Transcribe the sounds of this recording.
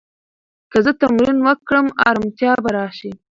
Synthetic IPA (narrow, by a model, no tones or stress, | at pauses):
kazət̪amɾinwakːɽəmɑ̰ɾamt̪jɑbaɾɑʃi